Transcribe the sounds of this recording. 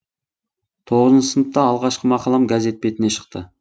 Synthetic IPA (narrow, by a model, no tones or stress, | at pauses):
t̪ʰoʁəzənsənət̪ːɑːlˠʁɑʃqəmɑqɑlˠɑmɡaze̞t̪̚pe̞t̪ɪne̞ʃə̥qt̪ə